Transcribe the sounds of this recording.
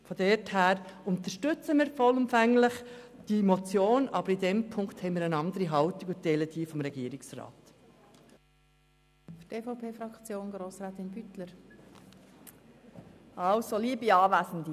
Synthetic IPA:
fɔdɛrthæːɾʊnt̪əʃtʏt͡səmiːɾfɔlʊmfæŋləχ | d̥imot͡sjoːnɑbəɾidɛmpʰʊŋkt̪hɛɪmiːɾənɑnd̪əɾiɦɑwt̪iɡʊ̥dɛlədiːfɔmɾɛɡiːɾiksrɑ̰ːt | fyteːfoʊpʰeːfɾɑkt͡sjoːnɡɾoːsɾaːt̪ɪnbyt̪ləɾ | ʔɑlsoliːbiɑːʋæːsən̩d̪i

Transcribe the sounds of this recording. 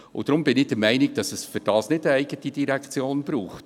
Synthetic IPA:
ʊ̰d̥ɾʊmbɪnɪd̥əɾmɛɪnɪɡ̚d̥ɑsəsfʏɾd̥ɑːsnɪdəæɪɡətid̥iɾɛkt͡sjoːnb̥ɾuːχt

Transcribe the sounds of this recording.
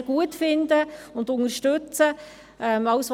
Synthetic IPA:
ɡ̥uətfɪnd̪əʊnd̪ʊŋəɾʃtʏt͡sə | ʔɛmɑʊsʋ

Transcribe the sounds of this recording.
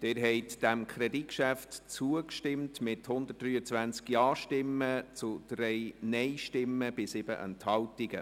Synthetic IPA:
d̪̥ɛːɾɦɛɪtd̥æmkʰχɾɛdikʃæftt͡suəkʃtɪmtmɪthʊnd̪ət̚d̥ryːət͡sʋænt͡skjɑːʃtɪmːət͡sʊd̥ɾɛjnɛɪʃtɪmːəb̥ɪsɪb̥ə̰ʔə̰nthɑltiɡ̥ə

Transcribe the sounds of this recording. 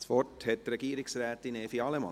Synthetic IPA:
sfɔthɛt̪ɾɛɡiːɾɪksrɛːt̪ineːfiɑlɛmɑ̰

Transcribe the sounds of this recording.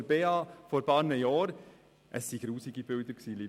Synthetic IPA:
əbeːɑfɔɾbɑːɾnəjɑːɾ | ʔəsːiɡ̥ɾuːsiɡib̥ʏld̥̪əɾksiːli

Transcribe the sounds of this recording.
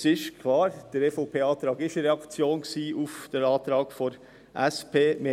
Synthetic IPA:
sɪʃkʰlɑːɾd̥əɾefopʰeːɑːt̪ɾɑːɡɪʃɾeɑkt͡sjoːnksiːʔufd̥ɛnɑːt̪ɾɑːɡfɔn | ʔɛspʰeːme

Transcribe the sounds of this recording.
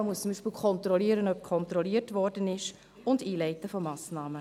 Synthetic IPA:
muəst͡sʊmbiːʃpɪlkʰɔntɾɔliːəɾənœp̚kʰɔntɾɔliətvɔrdənɪʃ | ʊndiːlɛɪtəfɔmɑːsnɑːmə

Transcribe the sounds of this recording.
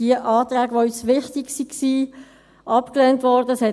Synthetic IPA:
iəʔɑːtʁæːɡəʋoysʋɪχtɪksiksiː | ʔɑpklɛːntʋɔɾdəəshɛ

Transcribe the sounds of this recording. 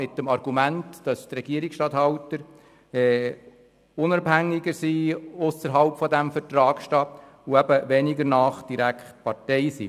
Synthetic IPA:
ɪt̚dəmɑɾɡ̥umæntd̥ɑst̪rɛɡiəɾiksʃtɑthɑwtəɾ | ɛː | ʊnɑbhæŋːɪɡəɾsiːʊsəɾɦɑlpfɔdæmfəɾtɾɑːkʃtɑ | ʊæb̥əʋɛnɪɡəɾnɑːχd̥iɾækχt̚pɑɾtɛɪsḭ

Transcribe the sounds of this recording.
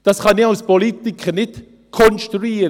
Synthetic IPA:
d̥asχanːɪawspɔlit̪ɪkʰənɪt | kʰɔnst̪ɾuiːɾ

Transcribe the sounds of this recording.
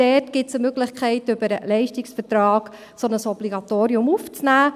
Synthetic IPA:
d̥ɛtɡ̥ɪtsəmøɡlɪχkʰχɛɪtʏbəɾəlɛɪʃtɪksfətɾɑːɡ̥ | sonəsɔb̥liɡɑt̪oːɾiʊmuft͡snæː

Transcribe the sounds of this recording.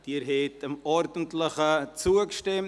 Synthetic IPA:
d̥iːɾɦetəmɔɾdn̩tləχət͡suəkʃtɛm

